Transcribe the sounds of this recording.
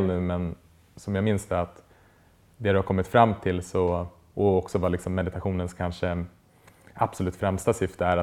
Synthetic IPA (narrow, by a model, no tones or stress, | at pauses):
lnʉ̟ːmɛn | sɔmjaːɡmɪnsd̪əat̪ | d̪ɛd̪ɛhaɾkɔmːɪt̪fɾamːt̪ʰɪlsɔ | ʔɔɔksɔvalɪksɔmːɛd̪ɪt̪aɧuːnənskʰanʂə | ab̥sɔlʉ̟ːt̪fɾɛmst̪asʏft̪əæɾa